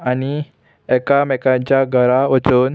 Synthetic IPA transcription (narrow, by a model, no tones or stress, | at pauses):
ani | ɛkamɛkãɲt͡ɕjaɡʱəɾaɔt͡soːn